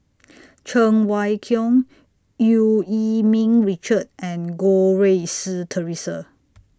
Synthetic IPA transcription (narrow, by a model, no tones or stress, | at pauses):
t͡ʃʰə̃ŋwajkʰjɔ̃ŋ | juimĩŋɹit͡ʃət̚ʔɛ̃nɡoɹesitʰəɹisə̰